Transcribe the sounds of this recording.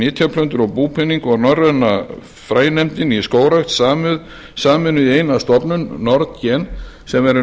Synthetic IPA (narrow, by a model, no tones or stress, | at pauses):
nɪːt̪ʰjapʰlœnt̪ʏɾɔɣpuːpʰɪnːiŋkɔɣnɔrɛna | fɾaːjnɛmt̪ɪniskoːwɾaxt̪saːmʏð | saːmɪnʏðejnast̪ɔpnʏnːɔɾt̪cɛn | sɛmɛɾʏ